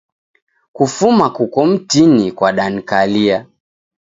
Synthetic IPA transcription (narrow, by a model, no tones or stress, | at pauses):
kufumakukɔm̩tinikwaɗan̩kalia